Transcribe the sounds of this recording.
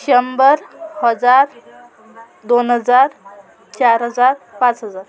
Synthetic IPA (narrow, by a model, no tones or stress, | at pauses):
ɕəmbəɾhəd͡zaɾ | d̪onɦəd͡zaɾ | t͡ɕaɾɦəd͡zaɾpãt͡sɦəd͡zaɾ